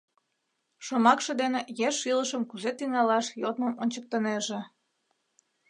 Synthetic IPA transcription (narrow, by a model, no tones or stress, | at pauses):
ʃomɑkʃĕd̪enejeʃiləʃəmkuzet̪iŋɑlɑʃjot̪məmonʲt͡ɕək̚t̪əneʒe